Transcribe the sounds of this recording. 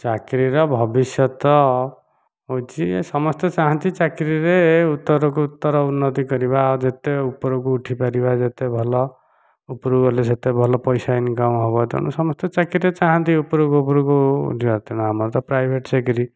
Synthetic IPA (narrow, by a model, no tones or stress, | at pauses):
t͡ʃakɾiɾɔbʱʌbisjʌt̪ɔ | ɦot͡ʃʰisʌmɔst̪ɔt͡ʃaɦãnt̪it͡ʃakɾiɾeut̪ːɔɾɔk̬uːt̪ːɔɾɔunːɔt̪ikʌɾiβad͡ʒet̪eupɾokuuʈʰipaɾibad͡ʒet̪ebʱɔlɔ | upɾuɡɔleset̪ebʱɔlɔpɔjsainiɡam̃ɦɔβɔt̪ɔ̰ñṵsɔmɔst̪ɔt͡ʃakɾiɾet͡ʃaɦant̪ʰiupɾuɡupɾukuṵʈʰibat̪eñaɦamɔɾt̪ɔpɾajbʱeʈsekɾi